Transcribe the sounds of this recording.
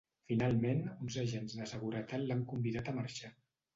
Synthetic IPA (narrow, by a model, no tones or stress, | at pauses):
finalˠmenunzəʒenzðəsəɣuɾət̪at̪laŋkumbiðat̪əmaɾʃa